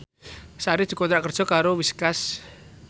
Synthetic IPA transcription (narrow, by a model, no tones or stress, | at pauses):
saɾid̪̥i̤konɾaʔkərd̥ʒ̥ɔ̤kaɾowiskas